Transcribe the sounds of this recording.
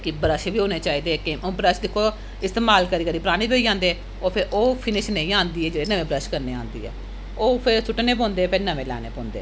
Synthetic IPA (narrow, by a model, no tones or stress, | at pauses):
kɪbəɾəʃeːbiːɦoːneːt͡ʃaːiːd̪eːkeːmõːbɾəʃd̪ɪkʰːoː | ɪst̪eːmaːlkəɾiːkəɾiːpəɾaːɽ̃iːbioːiːd͡ʒãːnd̪eː | oːpʰɪɾoːpʰɪnɪʃnə̃ĩːãːnd̪iːɛːd͡ʒeːɽeːnəʋẽːbɾəʃkəɾneːã̰ːnd̪ḭːɛ̰ː | oːpʰɪɾsʰʊʈneːp̬ɔ̃ːnd̪eːpenəmẽːlɛ̰ːnḛːpõːnd̪ḛː